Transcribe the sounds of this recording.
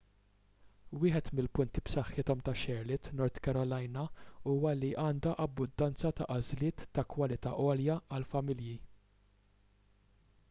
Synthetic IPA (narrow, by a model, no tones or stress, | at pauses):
wɪːħɛt̪mɪlpʊnt̪ipsɐħːɪt̪ɔmt̪ɐʃɛɾlɪt̪nɔɾt̪kɐɾɔlɐjnɐuːwɐliʔɐːnd̪ɐʔɐbːʊd̪ːɐnt͡sɐt̪ɐʔɐzlɪːt̪ːɐkwɐlɪt̪ɐ̰ːʔɔːljɐɐlfɐmɪlji